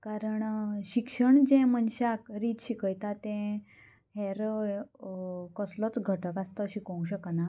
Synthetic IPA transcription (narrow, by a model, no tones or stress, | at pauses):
kaɾəɳɕikʂəɳd͡ʑɛ̃mənɕakɾiːt̪ɕikəjt̪at̪ɛ̃ | ɦɛɾ | kəslət͡sɡʱəʈəkast̪əːɕikə̃w̃ɕ̬əkana